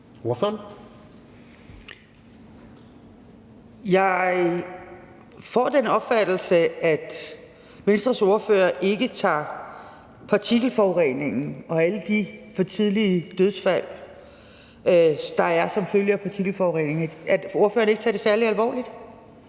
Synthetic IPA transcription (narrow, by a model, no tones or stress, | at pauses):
o̝ɐføɐn | jɑ̈ɪ | fɒ̰ːd̥enɒ̽b̥fæd̥l̩səæd̥ | ʋensd̥ʁɐso̝ɐfø̰ːɐʔe̝ɡ̥ət͡sʰɑ̰̈ː | pʰɑ̈t͡sʰiɡ̥l̩fɒʊʁḛːne̝ŋn̩ɒ̽æləd̥ifɒ̽t͡sʰiðˠliəd̥øð̞ˠsfæl̰ | d̥ɑ̈æɐsɒ̽mføljəæpʰɑ̈t͡sʰiɡ̥l̩fɒːʊʁḛne̝ŋæo̝ɐfø̰ːɐne̝ɡ̥ət͡sʰɑ̰ːd̥e̝sæɐliælʋɒ̰ːlid̥